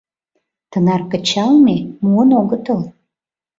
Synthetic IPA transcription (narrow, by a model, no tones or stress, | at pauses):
t̪ənɑrkə̆t͡ɕɑlmemuənoɣət̪əl